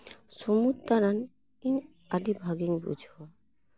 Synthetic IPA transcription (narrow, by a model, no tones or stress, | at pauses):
somutt̪aɾan | iɲ | ad̪ibʱaɡiŋbṵd͡ʒʱɔ